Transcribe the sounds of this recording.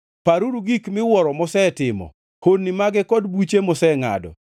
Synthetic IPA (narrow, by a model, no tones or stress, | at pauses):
paɾuɾuɡikmɪwɔɾɔmɔsɛtɪmɔ̰ | honnːimaɡɛkɔdbut͡ʃemɔsɛŋa̰dɔ̰